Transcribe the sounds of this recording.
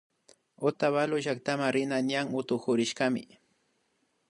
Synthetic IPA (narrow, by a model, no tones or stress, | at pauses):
ot̪aβalʊʒak̚t̪amaɾɪnanjaŋʊt̪ʊxʊɾɪʃkamɪ̰